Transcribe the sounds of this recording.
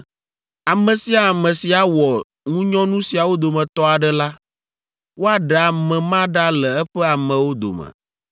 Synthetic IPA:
a˨mɛ̃˨si˦a˨mɛ̃˨si˨a˨wɔ˨ | ŋũ˦ɲɔ̃˦nũ˦si˨a˨wo˦d̪o˨mɛ̃˨t̪ɔ˦a˨ɖɛ˦la˦ | wo˦a˨ɖa˨mɛ̃˨mã˦ɖa˦lɛ˨ɛ˦ɸɛ˦a˨mɛ̃˨wo˦d̪o̰˨mə̰̃˨

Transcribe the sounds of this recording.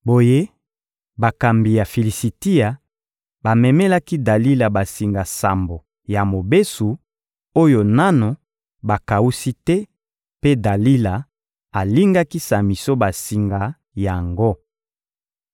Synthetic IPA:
bo˨je˦ | ba˨ka˨mbi˨ja˨fi˨li˨si˨ti˦a˨ | ba˨mɛ˨mɛ˦la˦ki˦da˨li˦la˨ba˨si˨ŋɡa˨sa˨mbo˨ | ja˨mo˨be˦su˨ | o˦jo˨na˦no˨ | ba˨ka˨u˦si˦tɛ˦ | pe˦da˨li˦la˨ | a˨li˦ŋɡa˦ki˦sa˨mi˨so˦ba˨si˨ŋɡa˨ | ja˨ŋɡo˦

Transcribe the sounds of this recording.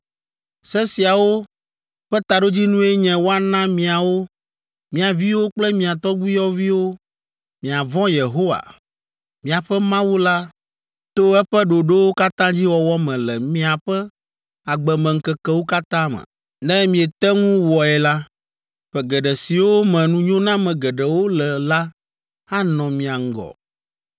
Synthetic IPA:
sɛ˦si˨a˨wo˦ | ɸɛ˦t̪a˨ɖo˦d͡ʑi˦nũ˦e˦ɲɛ̃˨wo˦a˨nã˦mĩ˨a˨wo˦ | mĩ˨a˨vi˦wo˦k͡plɛ˦mĩ˨a˨t̪ɔ˦ɡ͡bi˦jɔ˦vi˦wo˦ | mĩ˨a˨vɔ̃˦je˨ɦo˦wa̰˨ | mĩ˨a˨ɸɛ˦mã˦wu˦la˦ | t̪o˦ɛ˦ɸɛ˦ɖo˨ɖe˦wo˦ka˦t̪ã˦d͡ʑi˦wɔ˨wɔ˦mɛ̃˨lɛ˨mĩ˦a˨ɸɛ˦ | a˨ɡ͡bɛ˨mɛ̃˨ŋ̩˨kɛ˨kɛ˦wo˦ka˦t̪ã˦mɛ̰̃˨ | nɛ̃˦mĩ˨ɛ˨t̪ɛ˦ŋũ˦wɔ˨ɛ˨la˦ | ɸɛ˨ɡɛ˨ɖɛ˨si˨wo˦mɛ̃˨nũ˦ɲõ˦nã˦mɛ̃˨ɡɛ˨ɖɛ˨wo˦lɛ˨la˦ | a˦nɔ̃˨mĩ˨a˨ŋ̩˦ɡɔ̰˨

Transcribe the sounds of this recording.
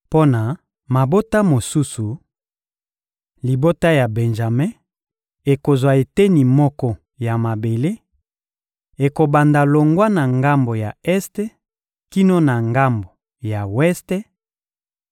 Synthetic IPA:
po˦na˨ | ma˨bo˦ta˦mo˨su˦su˨ | li˨bo˦ta˦ja˨bɛ˨nʒa˨mɛ̃˦ | e˨ko˨zwa˨e˨te˦ni˨mɔ˦kɔ˦ | ja˨ma˨be˨le˦ | e˨ko˨ba˨nda˨lo˨ŋɡwa˦na˨ŋɡa˦mbo˨ja˨ɛ˦ste˦ | ki˦no˦na˨ŋɡa˦mbo˨ | ja˨wɛ˦ste˦

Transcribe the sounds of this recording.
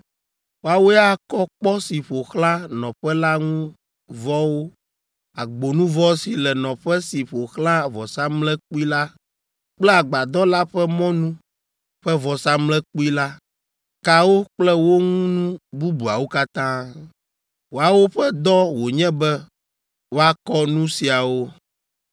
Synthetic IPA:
wo˦a˨wo˦ja˦kɔ˦k͡pɔ˦si˨ɸo˨xlã˦nɔ̃˨ɸɛ˦la˦ŋũ˦ | vɔ˦wo˦ | a˨ɡ͡bo˨nũ˦vɔ˦si˨lɛ˨nɔ̃˨ɸɛ˦si˨ɸo˨xlã˦vɔ˨sa˦mlɛ̃˦k͡pu˦i˦la˦ | k͡plɛ˦a˨ɡ͡ba˨d̪ɔ˦la˦ɸɛ˦mɔ̃˦nũ˦ | ɸɛ˦vɔ˨sa˦mlɛ̃˦k͡pu˦i˦la˦ | ka˦wo˦k͡plɛ˦wo˦ŋ̃ũ˦nũ˦bu˦bu˨a˨wo˦ka˦t̪ã˦ | wo˨a˨wo˦ɸɛ˦d̪ɔ˦wo˨ɲɛ̃˦bɛ˦ | wo˦a˦kɔ˦nũ˦si˨a˨wo˦

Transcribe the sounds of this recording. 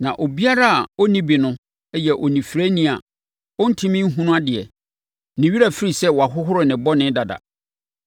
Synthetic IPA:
nã˨ʔo˨bi˦a˦ɾa˦a˨ɔ˦nĩ˦bi˨nʊ̃˦ | ɛ˦jɛ˨ʔɔ˨nĩ˨fɾe˦nĩ˦a̰˨ | ɔ˦n̩˦tʰĩ˦mɪ̃˦ɦũ˦nʊ̃˦a˦dɪ˨ɛ̰˨ | nɪ̃˨ɥi˦ɾa˨fi˦ɾi˨sɛ˦wɔ˨a˨ɦʊ˦ɦʊ˦ɾɪ˨nɪ̃˨bɔ˦nɪ̃˦da˨da̰˨

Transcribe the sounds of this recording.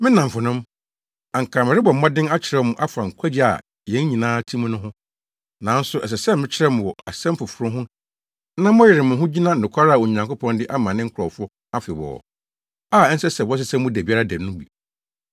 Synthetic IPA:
mɪ̃˦nã˨m˨fʊ˨nʊ̃˦m | a˨ŋ̩˨kʰã˨mɪ̃˨ɾɪ˦bɔ˨m̩˦mã˦dɪ̃˦na˦t͡ɕʰɪ˨ɾɛ˦mʊ̃˦ʔa˦fa˨ŋ̩˨kʰʷa˦d͡ʑi˦a̰˨ | jɛ̃˨˦n˦ɲĩ˨nãː˦tʰi˦mʊ̃˦nʊ̃˦ɦʊ̃˦ | nã˨˦n̩˦sʊ˦ʔɛ˨s̬ɛ˨sɛ˦mɪ̃˦t͡ɕʰɪ˦ɾɛ˦m̃˨ɔ˨a˨sɛ̃˦m˦fʊ˨fʊ˨ɾʊ̃˦ɦʊ̃˦ | nã˦mʊ̃˦jɪ˨ɾɪ˨mʊ̃˨ɦʊ̃˦d͡ʑi˦nã˦˨ʊ̃˨kʷʰa˦ɾa˦˨wo˨ɲã˨ŋkʊ˦pʰɔ̃˦ndɪ˦ʔa˦mã˨nɪ̃˦ŋ̩˦kʰʊ˨ɾɔ˨fʊ˦ | a˦fɪ˨bɔ̰ː˨ɔ̰˨ | aː˦˨ɛ˦n̩˦sɛ˦sɛ˨wɔ˦s̬ɪ˦sɛ˦mʊ̃˦dæ˨bi˨˦a˦ɾa˦dɛ˨˦nʊ̃˦bi˨

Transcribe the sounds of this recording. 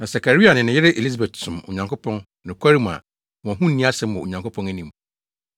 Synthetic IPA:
nã˨sa˨kʰa˨ɾi˦a˨nɪ̃˨nɪ̃˨jɪ˦ɾɪ˦ʔe˨li˦s̬a˨be˨ttʰʊ̃˨mo̰˨ɲã˨ŋkʊ˦pʰɔ̃˦n | nɪ̃˨kʷʰa˦ɾi˦m˨a̰˨ | wɔ̃˨ɦũ˦n̩˦nːĩ˦a˦sɛ̃˦m̩˦ʊ̃˨o̰˨ɲã˨ŋkʰo˦pʰɔ̃˦næ˦nĩ˨m

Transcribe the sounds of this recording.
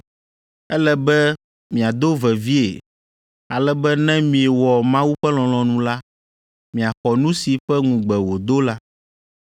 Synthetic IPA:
ɛ˦lɛ˨bɛ˦ | mĩ˨a˨d̪o˦vɛ˨vi˦ḛ˨ | a˨lɛ˨bɛ˦nɛ̃˦mĩ˨e˨wɔ˨mã˦wu˦ɸɛ˦lɔ̃˨lɔ̃˨nũ˦la˦ | mĩ˨a˨xɔ˨nũ˦si˨ɸɛ˦ŋũ˨ɡ͡bɛ˨wo˨d̪o˦la˦

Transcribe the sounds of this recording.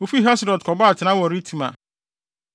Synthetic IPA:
o˨fi˦ɦa˦sɾɔ˨dkʰɔ˨ba˦a˨tʰɪ˨nã˦wɔ˨ɾi˦tʰĩ˨mã̰˨

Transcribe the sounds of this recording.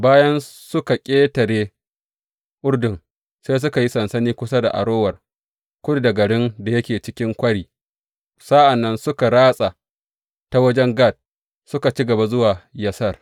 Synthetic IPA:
baː˦jɐ˦nsʊ˦ka˨kʲʼeː˦tɐ˨ɽeː˦ | ʔʊ˦ɽdʊ˨ŋ | se˦s̬ʊ˦ka˨ji˦sɐ˨nsɐ˦niː˦kʷʊ˦sa˦da̰˨ʔa̰˨ɽoː˦wɐ˨r | kʷʊ˦dda˨ɡɐ˨ɽɪ˦nda˨jɐ˦kʲeː˨t͡ʃɪ˦kʲɪ˦ŋkʷɐ˦ɽiː˨ | sa˦ʔa˨nːɐ˦nsʊ˦ka˨ɽaː˦sʼa˨ | ta˦wɐ˦d͡ʒɛ˦ŋɡa˦˨d̚ | sʊ˦ka˨t͡ʃi˦ɡɐ˨ba˨zʊ˦waː˨jɐ˦sɐ˦r

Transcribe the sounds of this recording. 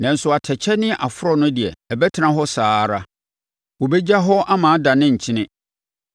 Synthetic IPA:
nã˨n̩˨sʊ˨a˨tʰɛ˨t͡ɕʰɛ˦nɪ̃˦ʔa˨fʊ˦ɾɔ˦nʊ̃˦dɪ˨ɛ̰˨ɛ˨bɛ˦tʰɪ˨˦ã˨ɦɔ˦saː˦˨˦ɾa˦ | wɔ˨bɛ˦d͡ʑa˦ɦɔ˦ʔa˦mãː˨˦da˨nɪ̃˦ɲ̩˨t͡ɕʰɪ˦nɪ̃˦

